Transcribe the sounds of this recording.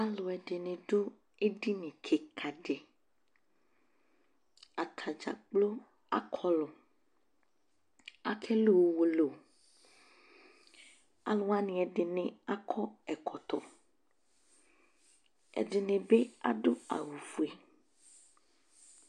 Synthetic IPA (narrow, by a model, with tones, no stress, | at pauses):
a˦lo˨ɛ˨ɖe˨nẽ˨ɖo˦ | e˦ɖi˦nẽ˨kʰe˨kʰa˨ɖe˨ | a˨t̪ʰa˨d͡ʒa̰˨k͡plo˦ | a̰˨kʰɔ˦lo˨ | a˨kʰɛ˦lo˦˨wo˨wo˨lo˨ | a̰˨lo˦a˦nĩ˨ɛ˨ɖɪ˨nẽ˨a˦kʰɔ˦ɛ˨kʰɔ˨t̪ɔ˨ | ɛ̰˨ɖɪ˨nẽ˨be˦a̰˦ɖo˦a̰˨wu˨vu˨e˨